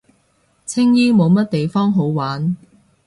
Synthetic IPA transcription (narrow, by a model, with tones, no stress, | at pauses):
t͡sʰɪ˥ŋjiː˥mo˨˧wmɐ˥t̚t̪e˨jfɔː˥ŋɦo˨˥wwaː˨˥n